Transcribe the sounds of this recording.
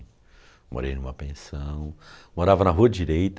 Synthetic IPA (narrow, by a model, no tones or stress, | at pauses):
mo̰ɾejnũmɐpẽsɐ̃w̃moɾavɐnɐɦuɐd͡ʒiɾejt̪